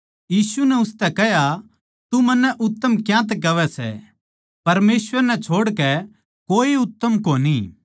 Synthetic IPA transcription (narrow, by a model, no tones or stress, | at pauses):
jiːsunɛʊst̪ɛkɛɦja | t̪umɐnːɛʔʊt̪ːəmkjãt̪̬ɛkɐʋɛsɛ̰ | pɐɾmeːsʋəɾnɛ̃t͡ʃʰoːɽkɛ | koːiʊt̪ːəmkoːni